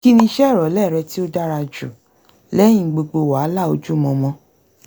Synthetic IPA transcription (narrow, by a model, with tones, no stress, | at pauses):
ki˦nĩ˧˦ʃɛ˦˨ɾɔ˨˦lɛ˦˨ɾɛ˧ti˦o˦da˦ɾa˧d͡ʒṵ˨ | lɛ̃˦ĩ˧˨ɡ͡bo˧ɡ͡bo˧˨wa˨˦la˦˨o˧d͡ʒu˦˨mɔ̃˧mɔ̃˧